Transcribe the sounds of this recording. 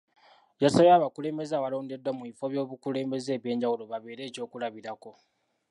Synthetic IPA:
jasaβeaːβakule̞ːmbe̞zawalo̞ːnde̞dwamuifoβjo̞ːβukule̞ːmbe̞ze̞ːβje̞ːɲɟawulo̞βaβe̞ːɾe̞ːco̞ːkulaβiɾako̞

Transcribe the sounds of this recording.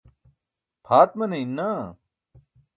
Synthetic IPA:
pʰaːt̪mɐneinːaː

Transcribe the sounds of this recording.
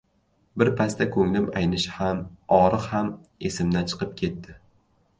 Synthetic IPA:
bɪɾpʰast̪ʰakʰɵŋlɪmajnɪʃhamɒɾɨqhame̞sɪmd̪ant͡ʃʰɨ̥qɨp̚kʲʰe̞t̪ːɪ

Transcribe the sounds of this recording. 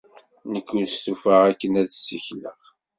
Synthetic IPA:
nəkːunst̪ufəʁækːənæðsə̰çlə̰ʁ

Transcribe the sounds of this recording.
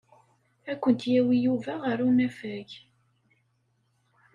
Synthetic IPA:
ækʷːənt̪jæwijuvæʁəɾunæfæʝ

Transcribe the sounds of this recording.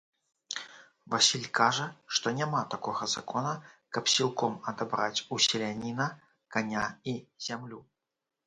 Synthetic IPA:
vasʲilʲkaʐəʂt̪ɔnʲamat̪akɔɣɐza̰kɔnɐkɐpsʲilˠkɔmɐd̪abɾat͡sʲusʲɪlʲanʲinɐ | kanʲaiz̥ʲamlʲu

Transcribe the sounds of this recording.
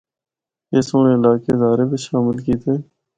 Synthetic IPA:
eːsoːneɪlaːkeːzaːɾeːbʱiːʃaːmɪlkiːt̪ʰeː

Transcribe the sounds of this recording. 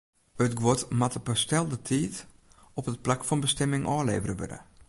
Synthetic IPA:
ətɡwɔtmatəpəstɛlˠdətʰiːt | ɔpət̚plakfɔnbəstɛmɪŋʔɔːlḛːvərəʋø̰də̰

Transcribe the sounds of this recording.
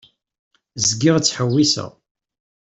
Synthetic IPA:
zɡɪʁt͡sːħəwːisə̰ʁ

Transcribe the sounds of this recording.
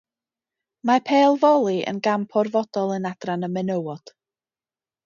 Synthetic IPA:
marpʰeːlˠvɔlˠiʔə̰nɡampʰɔrvɔd̥ɔlˠənad̥ranəmɛnəwɔd̥

